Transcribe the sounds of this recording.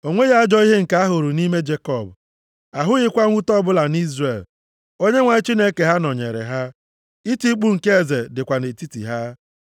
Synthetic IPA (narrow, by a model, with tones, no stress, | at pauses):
o˨ŋʷe˦ɣa˦a˦d͡ʒɔ˦i˦ɦe˦ŋ̩˨ka˦a˦ɦʊ˨ɾu˨ni˦me˦d͡ʒe˦kɔ˦˨b | a˨ɦʊ˦ɣɪ˦kʷa˦ŋʷu˦tɔ˦bʊ˦la˨ni˦zre˨l | o˦ɲe˦ŋʷa˨ɪ˦t͡ʃi˦ne˦ke˨ɦa˦nɔ˨ɲḛ˨ɾḛ˨ɦa˦ | i˦ti˦k͡pu˦ŋ̩˨ke˦e˨ze˨dɪ˨kʷa˨ne˨ti˦tḭ˨ɦa˦